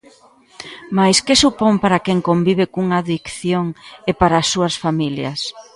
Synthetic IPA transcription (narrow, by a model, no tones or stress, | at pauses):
majskɪsupompaɾakeŋkombiβ̞ɪkuŋaðikθjoŋepaɾaːsːuɐsfamiljɐs